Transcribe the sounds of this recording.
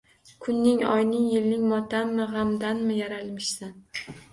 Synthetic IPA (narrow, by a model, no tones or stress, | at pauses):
kʰʊnːɪŋɒ̰jnɪŋjɪlnɪŋmɒt̪ʰanmɪʁamd̪anmɪjaɾalmɪʃsan